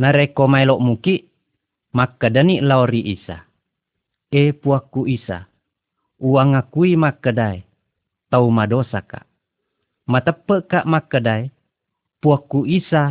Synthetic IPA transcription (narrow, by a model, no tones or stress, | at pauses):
naɾekomaeloʔmukiʔ | makədəniʔlaoɾiʔisa̰ | epuakːuʔisa̰ | uaŋakuimakədae | t̪aumadosaka̰ʔ | mat̪əpːəkaʔmakədae | puakːuʔisa